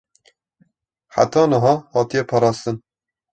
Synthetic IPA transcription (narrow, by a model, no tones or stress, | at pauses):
ħa̰t̪ɑːnəɦɑːhɑːt̪ijɛpʰɑːɾɑːst̪ɨn